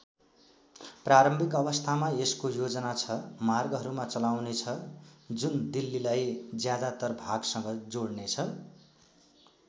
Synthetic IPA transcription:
praɾʌmbʱikʌbʌst̪ʰamaeskojod͡zʌnat͡sʰʌmarɡɦʌɾumat͡sʌlawnet͡sʰʌd͡zund̪ilːilajd͡zjad̪at̪ʌrbʱaɡsʌŋɡʌd͡zoɽnet͡sʰʌ

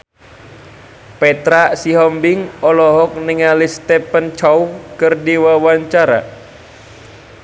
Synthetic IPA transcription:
pɛt̪ɾasiɦɔmbɪŋɔlɔɦɔk̚niŋalist̪ɛpənt͡ʃawkɨrdiwawaɲt͡ʃaɾa̰

